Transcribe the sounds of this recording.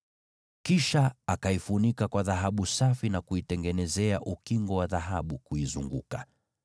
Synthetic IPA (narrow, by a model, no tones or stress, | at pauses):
kiʃaakaifunikakwaðaɦaɓusafinakuitɛŋɡɛnɛzɛaʔukiŋɡɔwaðaɦaɓukuizṵŋɡuka